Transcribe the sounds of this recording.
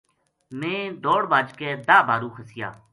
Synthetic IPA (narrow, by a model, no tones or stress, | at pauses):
mẽːd̪oːɽbaːd͡ʒkɛːd̪aːbʱaːɾũːxʰəsɪja̰ː